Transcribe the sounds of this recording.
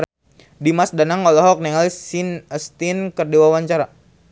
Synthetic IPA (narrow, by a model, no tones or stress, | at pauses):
dimasdanaŋɔlɔɦɔk̚niŋalisinəst̪inkərdiwawaɲt͡ʃaɾa